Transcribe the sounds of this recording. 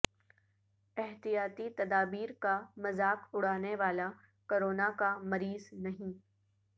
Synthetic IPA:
ɛɦt̪ijaːt̪it̪ɐd̪aːbiːɾkamɐzaːkʊɽ̤aːneʋaːla | koːɾoːnakamɐɾiːznɐɦĩː

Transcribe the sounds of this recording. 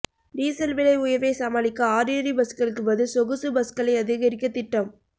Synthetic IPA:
diːsɐlʋɪlɐɪʊjɐɾʋeːsɐmaːlɪkːɐaːɾiːɾibɐskɐɭɯkːɯʋɐðɯsɔɣɯsɯbɐskɐlɐɪɐðɪɣɐɾɪkːɐt̪ːɪʈːɐm

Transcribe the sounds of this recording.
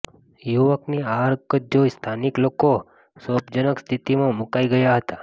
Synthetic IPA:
juʋəkniaɾkəd͡ʒost̪ʰanikloko | sopd͡ʒənəkst̪ʰit̪imãmʊkaiɡəjaɦət̪a

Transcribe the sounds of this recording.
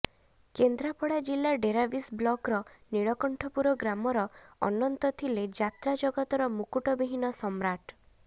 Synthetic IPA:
kend̪ɾapɔɽad͡ʒilːaɖeɾabisblɔkɾɔniɭɔkɔɳʈʰɔpuɾɔɡɾamɔɾɔɔ̰nɔnt̪ɔt̪ʰiled͡ʒat̪ɾad͡ʒɔɡɔt̪ɔɾɔmukuʈɔbiɦinɔsɔmɾaʈ

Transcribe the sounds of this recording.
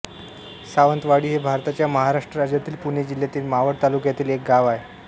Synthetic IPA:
saʋənt̪ʋaɽiːɦebʱaɾt̪at͡ɕjaməɦaɾaʂʈɾəɾad͡ʑjat̪iːlpuɳed͡ʑil̤jat̪iːlmaʋəɽt̪alukjat̪iːlek̚ɡaʋae

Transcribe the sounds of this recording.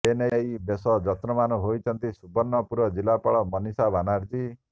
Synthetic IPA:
enejbesɔd͡ʒʌt̪ɾɔmanuɦojt͡ʃʰʌnt̪isubɔnːɔpuɾɔd͡ʒilapaɭɔmʌnisabʱanaɾd͡ʒi

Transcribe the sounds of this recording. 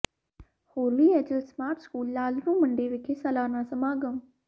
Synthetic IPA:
hoːɾʋiːɛːt͡ʃəlsmaːʈskuːlːaːlɾũːməɳɖeːʋɪkʰesalaːnãːsəmaːɡəm

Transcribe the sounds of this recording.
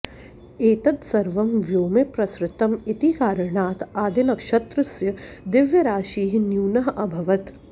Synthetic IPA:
eːt̪ɐt̪sɐɾʋɐmʋjoːmepɾɐsɾɪt̪ːɐmɪt̪ikaːɾɐɳaːt̪aːd̪ɪnɐkʃɐt̪ɾɐsjɐd̪ɪʋjɐɾaːʃiːɦnjuːnɐɦʔɐbʱɐʋɐt̪

